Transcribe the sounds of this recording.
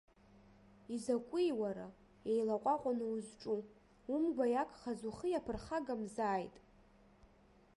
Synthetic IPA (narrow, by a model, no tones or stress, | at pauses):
izakʷʼijwaɾa̰ | ejlaqʷʼaqʷʼanɨuzʈ͡ʂʼu | umɡʷajakʼχazuχəjapʰɨrχaɡamzaːjtʼ